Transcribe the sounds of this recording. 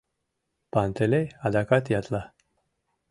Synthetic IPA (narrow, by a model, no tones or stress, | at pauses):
pant̪elejad̪akat̪jat̪la